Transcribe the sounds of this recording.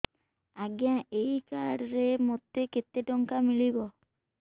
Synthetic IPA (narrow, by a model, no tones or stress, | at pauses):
aɡjãejkaɽɾemot̪eket̪eʈɔŋkamiɭibɔ